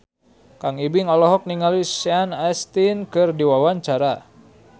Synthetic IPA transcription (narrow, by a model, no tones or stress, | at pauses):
kaŋibiŋɔlɔɦɔk̚niŋalisɛanast̪inkɨrdiwawaɲt͡ʃaɾa